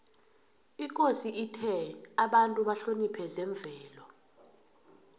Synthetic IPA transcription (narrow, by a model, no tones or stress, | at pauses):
ikʼosiʔitʰɛaɓantʼuɓaɬonipʰɛzɛɱb̪vʱɛːlɔ